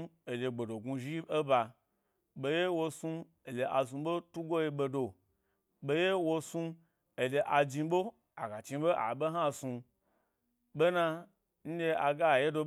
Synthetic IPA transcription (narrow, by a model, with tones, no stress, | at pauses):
e˨lʲe˧ɡ͡be˨do˨ɡu˧ʒi˦e˦ba˧ | be˧je˦wo˧su˧ | e˨le˨ʔa˧sũ˧ɓo˦tu˦ɡo˦je˧ɓe˧do˨ | ɓe˧˦je˦wo˧su˧ | e˨le˧ʔa˧d͡ʒi˧ɓo˦ | a˨ɡa˨t͡ʃĩ˧˦ɓo˦ʔa̰˨ɓe˦ɦa˦su˧ | be˦na˧ | n̩˦lʲe˧a˧ɡa˦˨je˦do˧